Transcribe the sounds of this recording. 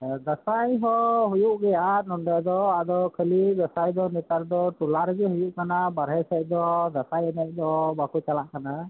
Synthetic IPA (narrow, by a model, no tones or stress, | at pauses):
d̪asajɦɔɦujuʔɡɛjanɔndad̪ɔad̪ɔkʰəlid̪asajd̪ɔnɛt̪aɾd̪ɔʈulaɾɡɛhujuʔkanabaɾɦɛsaj̚d̪ɔd̪asajɛnac̚d̪ɔbakut͡ʃalaʔkana